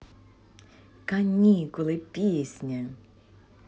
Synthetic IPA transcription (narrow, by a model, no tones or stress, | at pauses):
kɐnʲikɔlˠɪpʲisʲnʲɐ